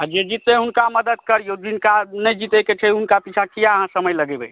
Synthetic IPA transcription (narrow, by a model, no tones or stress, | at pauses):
ad͡ʒed͡ʒit̪neɦunkaməd̪əd̪̚kəɾjod͡ʒinkanəjd͡ʒit̪eket͡ʃʰəiɦunkapit͡ʃʰakijaəɦãsəməjləɡebɛ